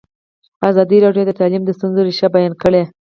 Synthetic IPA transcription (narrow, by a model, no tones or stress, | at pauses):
azɑd̪iɾɑɖjod̪ət̪ɑlimd̪əst̪unzoɾiʃɑbajɑnkəɽe